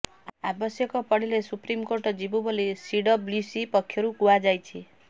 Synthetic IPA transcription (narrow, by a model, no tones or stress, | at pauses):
abɔsjɔkɔpɔɽilesupɾimkoɾʈɔd͡ʒibubolisiɖɔblusipɔkʰːjɔɾukuad͡ʒajt͡ʃʰi